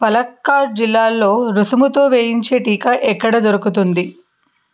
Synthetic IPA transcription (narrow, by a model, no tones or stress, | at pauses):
pɐlɐkːaːɾɖ̚d͡ʒilːaːlːo̞ːɾusumut̪o̞ːʋeːjiɲt͡ʃe̞ːʈiːkɐʔɛkːɐɽɐd̪oɾukut̪und̪i